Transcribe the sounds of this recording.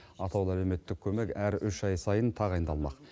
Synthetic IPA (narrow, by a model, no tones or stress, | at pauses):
ɑt̪ʰɑwlˠælewme̞t̪ːɪk̚ʲʰɵme̞kʲæɾʏʃɑjsɑjənt̪ʰɑʁɑjənd̪ɑlˠmɑ̰q